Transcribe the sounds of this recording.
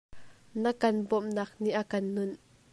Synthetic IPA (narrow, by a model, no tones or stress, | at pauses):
nəkɐnbɔmnaːk̚niʔakɐnːʊn